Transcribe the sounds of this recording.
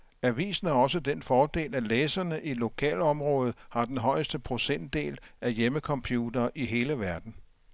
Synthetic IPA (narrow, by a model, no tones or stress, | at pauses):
æʋḭːsn̩æɒ̽səd̥enfɒːd̥e̝̰ːlæleːsɐnəʔilo̝kʰɛ̰ːlɒ̽mʁɔ̽ːð̞̩ˠhɑ̈d̥enɦɒ̽ɪ̰əsd̥əpʰʁo̝sen̰d̥ːe̝̰ːlæjeməkʰɒ̽mpʰjuːd̥ɐːʔiɦe̝ːləʋæɐd̥n̩